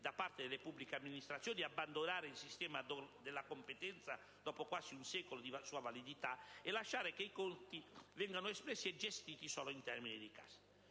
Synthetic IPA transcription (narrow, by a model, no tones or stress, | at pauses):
d̪apart̪ed̪elepubːlikeamːinist̪ɾat̪sːjonabːand̪onaːɾeilsist̪ɛːmad̪ɔd̪elːakompet̪ɛnt̪sa | d̪ɔːpokwaziunsɛːkolod̪isuːavalid̪it̪aɛlaʃːaːɾekeikont̪ivɛŋɡanʊɛspɾɛsːiɛd͡ʒest̪iːt̪isɔːloint̪ɛrminid̪ika̰sḁ